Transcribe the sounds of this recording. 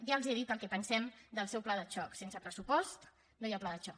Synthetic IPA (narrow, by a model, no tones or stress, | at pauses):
ʒalˠzieðit̪̚əlˠkɛpənsɛmd̪əlˠsɛwplaðət͡ʃɔksensəpɾəsupɔst̪ | nojaplaðət͡ʃɔk